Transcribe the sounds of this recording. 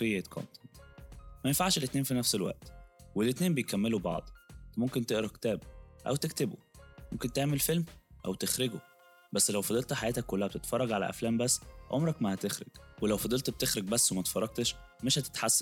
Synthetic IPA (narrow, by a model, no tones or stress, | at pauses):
ejːæt̪kʰo̰nt̪ent̪mæjenfaʕʃelʔet̪neːnfinæfselwæ̰ʔt̪welʔet̪neːmbejkæmːelubɑ̰ʕd̪ˤt̪momkent̪eʔɾˤɑkt̪æːbʔæ̰wt̪ekt̪ebṵ | momkent̪eʕmelfelmʔæ̰wt̪exɾeɡo | bæsːlæwfɑd̪ˤelt̪ħajæːt̪ækːolːæhæb̚et̪et̪fɑrˤːɑɡʕalæ̰ʔæ̰flæːmbæsːʕo̰mɾˤɑkmæhæt̪exɾḛɡ̥welæwfɑd̪ˤelt̪b̚t̪exɾeɡ̚bæsːwemæt̪e̥fɑrˤːɑɡ̚t̪eʃ | meʃhæt̪e̥t̪ħasːæn